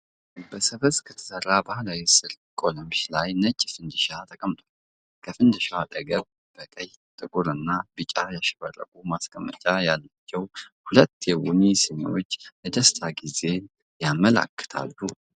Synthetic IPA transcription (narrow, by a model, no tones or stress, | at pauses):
bəsəbəskʰət̪ʰə̥sərːabahlawisɨɾ | kʼo̞ləmʃlajnət͡ʃʼːfɨnd̪ɨʃat̪ʰəkʼəmt̪ʰʼa | kʰəfɨnd̪ɨʃaad̪ʼəɡəβ | b̥əkʼəj | t̪ʼɨkʼuɾɨnːabɨt͡ʃʼajaʃɪbərːə̰kʼumaskʼəmːə̰t͡ʃʼajalːat͡ʃːɛwhulət̪ːjɛwunisiɲ̰wot͡ʃːbəd̪əst̪ʰaɡize̞ | jamːəla̰kːə̥t̪ʰa̰lːu